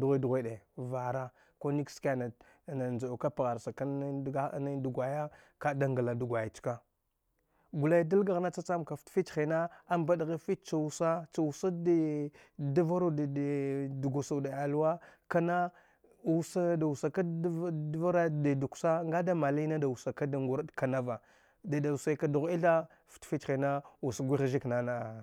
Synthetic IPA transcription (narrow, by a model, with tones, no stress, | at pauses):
du˨ɣʷe˦du˨ɣʷe˦ɗe˨va˨ɾa˦ | ko˦ni˦kska˨na˨ | na˨nd͡ʒa˨u˨ka˦pa˨ɣa˨ɾsa˨ka˦n˦du˨ɡʷa˨ja˦ | ka˦da˦ŋɡa˨la˨du˨ɡʷa˨ja˨t͡ʃka˦ | ɡu˨la˦jda˦lɡa˨ɣna˦t͡sa˦t͡sa˦mka˨ftfi˦t͡ʃxi˨na˦a˦mba˦dɣe˦fi˦t̚t͡ʃa˨wu˦sa˦t͡ʃa˨wu˨sa˦d | da˦va˦ɾo˦da˨du˨ɡu˨sa˨da˨a˨lu˦wa˦ka˦na˦ | wu˦sa˦da˨wu˨sa˨ka˦dva˦ɾa˦da˨du˨ksa˦ŋɡa˦da˦ma˨li˦na˦da˨wu˨sa˨ka˦da˨ŋɡu˦ɾa˦dka˨na˦va˨ | da˨da˨u˨sa˦ka˨du˨ɣi˦ɬa˦ | ftfi˦t͡ʃe˨na˦wu˨sa˨ɡʷi˦ɣʒi˦kna˨na˨